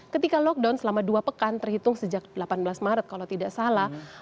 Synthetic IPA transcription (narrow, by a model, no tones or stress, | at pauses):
kət̪ikalɔk̚dansəlamaduapəkant̪ərhit̪ʊŋsəd͡ʒak̚dəlapanbəlasmaɾət̪̚kalawt̪idaʔsalah